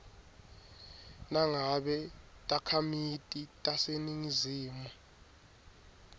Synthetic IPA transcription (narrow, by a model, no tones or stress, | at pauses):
naŋaɓɛtʼakʰamitʼitʼaseniŋiziːmu